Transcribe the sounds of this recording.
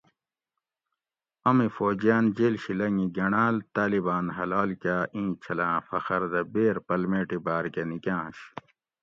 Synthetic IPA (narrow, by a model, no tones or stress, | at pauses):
ɐmifoːd͡ʑjaːnd͡ʑeːlɕilɐŋiɡɐɳaːlt̪aːlibaːnɦɐlaːlkʲaːʔĩːt͡ɕʰɐlãːfɐxɐɾd̪ɐbeːɾpɐlmeːʈibaːɾkenikãːɕ